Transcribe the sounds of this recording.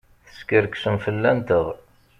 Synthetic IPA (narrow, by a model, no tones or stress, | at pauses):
θə̥skəɾksəmfəlːænt̪əʁ